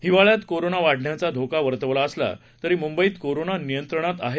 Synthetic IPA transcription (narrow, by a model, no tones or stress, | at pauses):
hiʋaɭjat̪koɾonaʋaɽ̤ʱɳjat͡sad̪ʱokaʋəɾt̪əʋlaəsla̰ | t̪əɾiːmumbəiːt̪koɾonanijənt̪ɾəɳ̃at̪aɦe